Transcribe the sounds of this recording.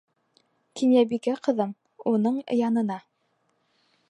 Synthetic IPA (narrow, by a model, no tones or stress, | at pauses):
kʰinjæbikæqɤ̆ðɤm | unɤɴ̰̆jɑnɤ̆nɑ